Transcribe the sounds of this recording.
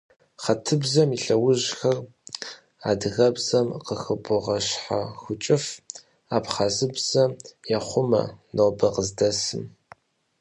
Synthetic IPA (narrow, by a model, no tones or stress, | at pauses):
χɐtʰɨbzɐmiɬɐwʊʑxɐr | a̰ːdɨɣɐbz̥ɐmqəxɨbʊʁɐɕħa̰xʷʊt͡ʃʼɪf | aːpχazɨbz̥ɐmjɛχʷʊmɐ̰nobɐqəzdɐsɨm